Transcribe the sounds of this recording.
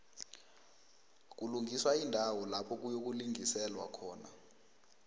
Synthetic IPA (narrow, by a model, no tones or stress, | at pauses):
k̬uluŋʱiswaindʱawɔlapʰɔk̬ujok̬uliŋisɛlwakʰɔːna̰